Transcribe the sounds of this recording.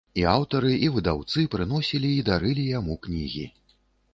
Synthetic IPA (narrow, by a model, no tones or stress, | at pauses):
iawt̪ɐɾɨʔivɨd̪awt̪sɨpɾɨn̪ɔsʲilʲiːd̪aɾɨlʲijamuknʲiɣʲḭ